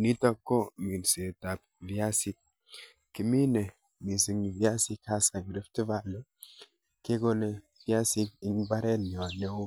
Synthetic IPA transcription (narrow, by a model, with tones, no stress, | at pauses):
ni˦ta˦kːo˦mi˨nse˨ta˨p̚ | vi˨a˦si˦k̚ | ki˨mi˦ne˨ | mi˨si˨ŋ˨vi˦a˦si˦ka˦sa˨ɡɾe˦fti˦va˨lo˦ | ke˦ɡo˦ne˨ | vi˦a˦si˦k̚i˦ŋba˦ɾe˦n˨o˨ne˦wo˦